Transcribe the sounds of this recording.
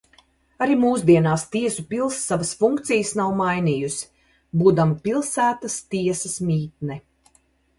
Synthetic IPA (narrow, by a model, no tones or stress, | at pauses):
aɾimuːsd̪iɛnaːst̪iɛsupʲilˠsːavasfuŋkt̪sijəsnawmajnʲiːjus | buːd̪amapʲilˠsæːt̪ast̪iɛsɐsmʲiːt̪nɛ